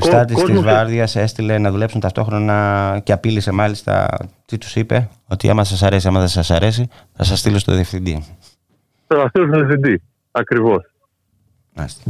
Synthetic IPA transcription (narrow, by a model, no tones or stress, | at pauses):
ist̪ɐɾt̪isizvɐɾðiɐse̞st̪ile̞nɐðule̞psunt̪ɐft̪o̞xɾonɐceɐpilise̞mɐlist̪ɐ̰t̪it̪u̥sipe̞ | o̞t̪ḭɐ̰mɐs̬ɐsɐɾe̞siɐmɐθɐsɐsɐɾe̞si | θɐ̰sɐst̪ilost̪o̞̰ðiefθind̪ḭ | oɐfteosðiefθind̪i | ɐkɾivos | ɐ̰st̪i̥